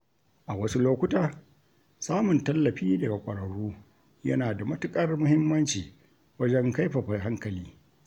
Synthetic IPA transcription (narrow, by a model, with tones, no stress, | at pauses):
ʔa˨wɐ˦su˦loː˦kʷʊ˦taː˨ | saː˦mʊ˨ntɐ˦lːɐ˨ɸiː˦dɐ˨ɡa˨kʷʼɐ˨ɽɐ˨ɽuː˦ | jɐ̰˦naː˨da˨mɐ˦tʊ˦kʼɐ˦rmʊ˦hɪ˦mːɐ˦nt͡ʃiː˨ | wɐ˦d͡ʒɛ˦ŋka˦jɸɐ˨ɸa˨ɦa˦ŋkɐ˨liː˦